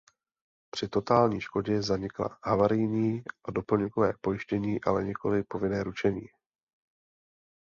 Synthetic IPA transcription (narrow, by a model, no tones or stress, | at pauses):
pr̝̥ɪt̪o̞t̪aːlɲiːʃko̞ɟɛzaɲɪkla̰havaɾɪjɲiːʔado̞pl̩ɲɛkovɛ̰ːpo̞jɪʃcɛɲiːʔa̰lɛɲɛko̞lɪpo̞vɪnɛːɾut͡ʃɛɲiː